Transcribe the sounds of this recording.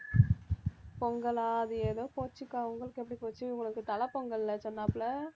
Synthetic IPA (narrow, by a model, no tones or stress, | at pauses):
pɔŋɡɐɭaːðɯeːðoːpoːt͡ʃːɯkːaːʋɯŋɡɐɭɯkːɛpːɐɽipoːt͡ʃːɯʊŋɡɐɭɯkːɯt̪ɐlɐpɔŋɡɐɭlːɐt͡ʃɔnːaːpːɯlɐ